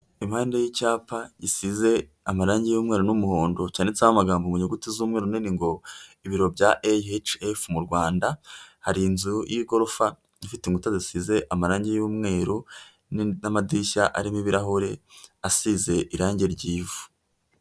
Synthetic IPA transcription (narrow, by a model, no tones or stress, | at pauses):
im̥haːnde̞jicaːpaɟisize̞ | amaɾaːɲɟejuːmŋe̞ːɾonumuhoːndo̞caːnet͡ʃamamaɡaːmbomuɲeɡutizuːmŋeːɾuniniŋɡo̞iβiɾo̞bɟaʔeet͡ʃefmuɾɡwaːndahaɾinzujʔiɡo̞ɾofa | ɲifiteŋɡutazisize̞ʔamaɾaːɲɟejuːmŋe̞ːɾo | nnamadiʃaʔaɾimiβiɾaɦoɾe̞asize̞ʔiɾaːɲɟeɾɟiːvu̥